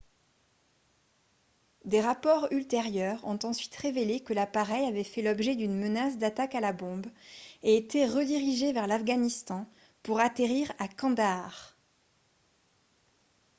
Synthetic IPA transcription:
d̪eʁapɔʁylt̪eʁjœʁɔ̃t̪ɑ̃sɥit̪ʁevelekəlapaʁɛjavɛfɛlɔbʒɛd̪ynmənasd̪at̪akalabɔ̃beːt̪eʁəd̪iʁiʒevɛʁlafɡanist̪ɑ̃ | puʁat̪eʁiʁakɑ̃d̪aʁ

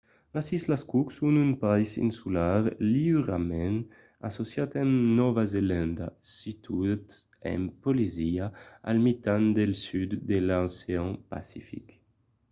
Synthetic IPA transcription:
lasislaskuksunynpaisḭnsulaɾliɾamɛ̃n | asosjat̪ɛmnɔvazelãnd̪a̰sit̪ʰut̪ | ɛ̰mpoliziaa̰lmit̪and̪elsyd̪ːelaseɔ̃ŋpa̰sifḭk

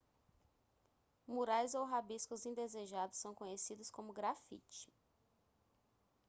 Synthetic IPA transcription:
muɾajzowɦabiskʊzĩd̪ezeʒad̪ʊsːɐ̃w̃kõɲesid̪ʊskõmʊɡɾafḭt͡ʃɪ̥

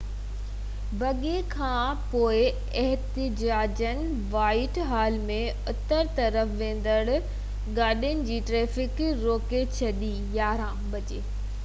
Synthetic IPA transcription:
bɐɠekʰãːpoːɪ | ɛɦt̪ɪd͡ʑaːd͡ʑənɪ̆ | ʋaːɪʈɦaːlmẽ | ʊt̪əɾt̪ɐɾəfʋẽːn̆d̪əɽ | ɡaːɗijənɪ̆d͡ʑiːʈɾeːfɪkɾoːket͡ɕʰɐɗi | jaːɾãːbɐt͡ɕeː

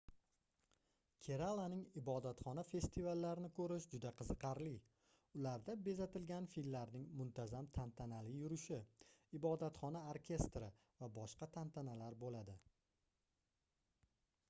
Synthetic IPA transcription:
kʲʰe̞ɾalˠanɪŋɪbɒd̪at̪χɒnafe̞st̪ʰivalːaɾɪnɪkʰɵɾɪʃd͡ʒʊd̪aqʰɨzɨqɑɾlɪ | ʊlaɾd̪abe̞zat̪ɪlɡʲanfimːaɾnɪŋmʊnt̪ʰazamt̪ʰant̪ʰanalɪjʊɾɪʃɪɪbɒd̪at̪χɒnaoɾkʲʰe̞st̪ɾɪ | vabɒʃqɑt̪ʰant̪ʰanalaɾbolad̪ɪ

